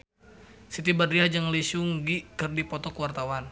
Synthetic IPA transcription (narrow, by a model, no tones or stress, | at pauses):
sit̪ibadɾiad͡ʒaŋlisʊŋɡikɨrdipɔt̪ɔkəwart̪awan